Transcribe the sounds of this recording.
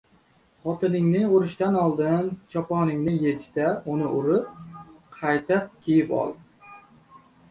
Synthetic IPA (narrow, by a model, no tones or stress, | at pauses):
χɒt̪ɪnɪŋnɪʊɾɪʃt̪anɒlˠd̪ɪnt͡ʃʰɒpɒnɪŋnɪjet͡ʃt̪aʊnɪʔʊɾɪp̚qʰɑjt̪ʰap̚kʲʰijɪpɒ̰lˠ